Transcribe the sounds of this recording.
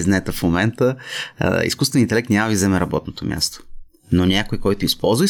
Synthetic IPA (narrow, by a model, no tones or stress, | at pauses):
znɛɛt̪ɛfmomɛnt̪ə̰ | ḭskust̪vɛnint̪ɛlɛkt̪nʲamɐd̪izɛmɛɾɐbɔt̪not̪o̰mʲja̰st̪o̥ | nonʲakojkɔjt̪ʊispɔlˠzvəi